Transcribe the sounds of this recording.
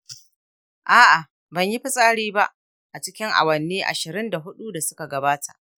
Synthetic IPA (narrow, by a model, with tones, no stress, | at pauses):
ʔaː˦ʔa˨ | bɐ˨ɲji˦ɸɪ˦sʼaː˦ɽiː˦ba˦ʔ | ʔa˨t͡ʃɪ˦kʲɪ˦ŋʔa̰˨wɐ˨nːeː˦ʔa̰˨ʃɪ˨ɾɪ˦nda˨ɦʊ˦ɗu˦da˨sʊ˦ka˨ɡɐ˨baː˦tʰa̰˨ʔ